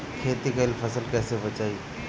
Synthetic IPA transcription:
kʰeːt̪ikəɪlfʰəsəlkɛːsebɐt͡ʃaːiː

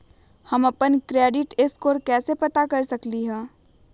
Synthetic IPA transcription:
hɐmɐpənkɾeːɖɪʈɪskoːɾkɛːsepɐt̪akɐɾsɐkliɦɛː

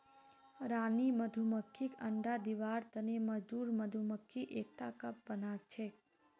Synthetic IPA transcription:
ɾaniməd̪ʱuməkʰːikə̰ɳɖad̪iʋaɾt̪əneməd͡ʒd̪uɾməd̪ʱuməkʰːiʔek̚ʈakəp̚bənakt͡ʃʰe

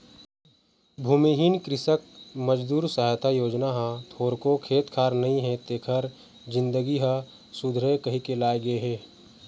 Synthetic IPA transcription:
bʱuːmiɦiːnkɾɪsək̚məd͡ʒd̪uːɾsəɦat̪ʰajoːd͡ʒnaɦãt̪ʰoːɾkokʰeːt̪kʰaːɾnɐɦĩɦɛ̃t̪eːkʰəɾ | d͡ʒɪ̃nd̪əɡiɦa | sʊd̪ʱɾekɐɦikelaːeɡeɦɛː

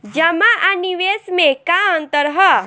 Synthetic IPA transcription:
d͡ʒɐmaʔaniʋeːsmẽkaə̃nt̪əɾɦə

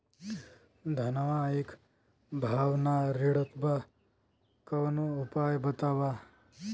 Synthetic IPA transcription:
d̪ʱɐnɐʋaik | bʱaːʋnaɾiɽɐt̪ba | kɐwnuupaːjbɐt̪aːʋa

